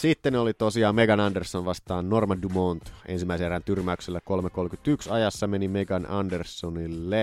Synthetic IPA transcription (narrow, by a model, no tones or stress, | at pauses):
sit̪ːenolit̪osiɑːmeɡɑnɑndersːonʋɑst̪ɑːnːormɑdumont̪ḛnsimːæˑiseerːɑnt̪yrmæykselːæko̞lmekolmkyt̪yksɑjɑsːɑmenimeɡɑnɑ̰ndersːonilːe